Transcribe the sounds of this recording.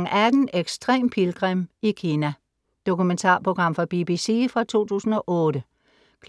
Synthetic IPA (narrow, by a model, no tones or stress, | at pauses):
ŋʔæd̥n̩eɡ̥sd̥ʁɛ̰ːmpʰilɡ̥ʁemikʰiːnæ | d̥o̝kument͡sʰɑ̰̈ːpʰʁo̝ɡ̥ʁɑ̈m̰fɒ̽b̥ib̥isḭfʁɑ̈t͡sʰo̝̰ːt͡sʰṵːsn̩ɒ̽ʔɔ̽ːɾ̥ə | kʰ